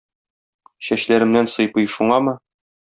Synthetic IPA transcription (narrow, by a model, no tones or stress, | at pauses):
ɕæɕlæɾɘ̆mnænsɤ̆jpɤjʃuɴɑmɤ